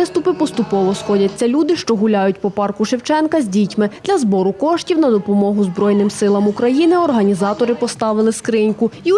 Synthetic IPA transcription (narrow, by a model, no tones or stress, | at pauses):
ɪst̪ʊpɪpɔst̪ʊpɔʋɔsxɔdʲɐt͡sʲːɐlʲud̪ɪʃt͡ʃɔɦʊlʲajʊtʲpɔpɑrkʊʃɪwt͡ʃɛnkɐzʲdʲitʲmɪd̪̥lʲɐzbɔɾʊkɔʃtʲiwnɐd̪ɔpɔmɔɦʊzbɾɔjnɪmsɪlˠɐmukɾɐjinɪɔrɦɐnʲizɑt̪ɔɾɪpɔst̪ɑʋɪlˠɪskɾɪnʲkʊi